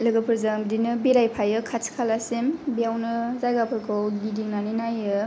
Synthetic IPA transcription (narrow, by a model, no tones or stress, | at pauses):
lɯɡɯpʰɯɾzadinɯbiɾajpʰajɯkʰat͡ʃʰkʰalasembijawnɯzaɡapʰɯɾkʰɔwɡidiŋnaninajɯ